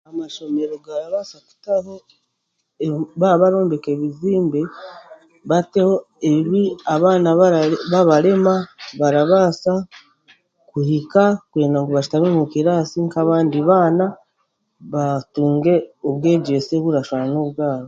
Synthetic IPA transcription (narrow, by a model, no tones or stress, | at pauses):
amaʃo̞me̞ɾo̞ɡaɾaβasaku̥taho | βaaβaɾo̞ːmbe̞keβiziːmbe | βate̞ho̞ | eβiaβaːnaβaβaɾe̞maβaɾaβaːsa | kuhikakwe̞ːndaŋɡoβaʃi̥taβemukiɾaːsiŋkaβaːndiβaːna | βatuːŋɡe̞oβwe̞ːɟe̞seβuɾaʃaɾanoβɡaːɾo